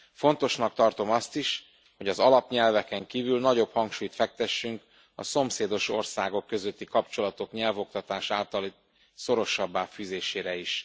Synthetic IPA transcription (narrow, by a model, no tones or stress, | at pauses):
fo̞nt̪o̞ʃnɒk̚t̪ɒrt̪o̞mɒst̪iʃ | ho̞ɟɒzɒlɒpɲɛlvɛkɛŋkiːvylnɒɟo̞phɒŋkʃuːjt̪fɛk̚t̪ɛʃːyŋk | ɒ̰so̞mseːd̪o̞ʃo̞̰rsaːɡo̞kːø̞zø̞t̪ːikɒpt͡ʃo̞lɒt̪o̞kɲɛlvo̞k̚t̪ɒt̪aːʃaːlt̪ɒli | so̞ɾo̞ʃɒbːaːfyːzeːʃeːɾɛiʃ